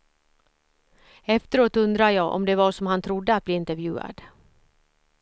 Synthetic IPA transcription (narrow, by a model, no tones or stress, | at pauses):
ɛft̪əɾoːt̪ːɵnd̪ɾajɑːʔɔ̰md̪ɛvaʂɔmhant̪ʰɾʊd̪ːəat̪̚bliːɪnt̪əɾvjʉ̟ːa̰d̪